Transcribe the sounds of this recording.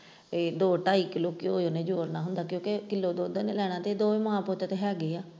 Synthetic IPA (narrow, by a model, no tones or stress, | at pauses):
ed̪oːʈaːiːkɪloːkɪoːoːneːd͡ʒoːɾnaːɦʊnd̪aːkjõːkekɪlːoːd̪oːd̪eːneːlɛːɽ̃aːt̪eːd̪oːmãːpoːt̪eːt̪eɦɛːɡiːaː